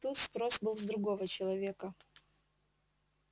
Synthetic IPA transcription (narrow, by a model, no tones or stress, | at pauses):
t̪ut̪spɾo̞sbɨlˠzd̪ɾʊɡo̞vət͡ɕɪlˠɐvʲekə